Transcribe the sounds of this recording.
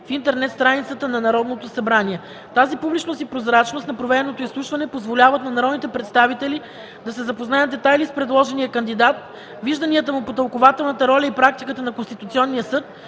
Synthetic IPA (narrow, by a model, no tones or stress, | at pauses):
fint̪ɛɾnɛt̪st̪ɾanit̪sət̪ənɐnɐɾɔd̪not̪osɐbɾaniɛ | t̪azipublʲit͡ʃnost̪ipɾozɾat͡ʃnost̪nɐpɾovɛɾɛnot̪oislˠuʃvɐnɛpozvolʲavət̪̚nɐnɐɾɔd̪nit̪ɛpɾɛt̪st̪avit̪ɛli | d̪ɐsɛzɐpoznajət̪d̪ɛt̪ajlispɾɛd̪lˠɔʒɛnijəkənd̪id̪at̪̚ | viʒd̪ɐniət̪əmupot̪əlˠkovat̪ɛlˠnət̪əɾɔlʲəipɾak̚t̪ikət̪ənɐkonst̪it̪ut̪siɔnːijəsɤt̪